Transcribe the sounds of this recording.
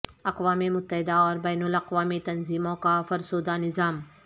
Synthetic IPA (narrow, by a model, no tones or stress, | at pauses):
ɐqʋaːmemʊt̪ːəɦɪd̪aɔːɾbɛːnʊlɐqʋaːmit̪ɐnziːmõkafɐɾsoːd̪anɪzaːm